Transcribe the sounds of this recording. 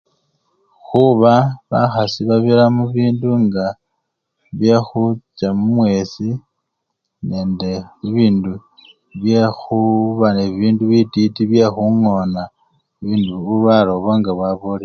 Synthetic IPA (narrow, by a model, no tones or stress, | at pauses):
xuβaβaxasiβaβiɾamuβiːnduŋɡa | βje̞xut͡ʃamumwe̞si | ne̞ːnde̞iβiːndu | βje̞xuβaneβiːnduβititiβje̞xuŋo̞na | βiːnduβuβaɾo̞βaŋɡaβwaβole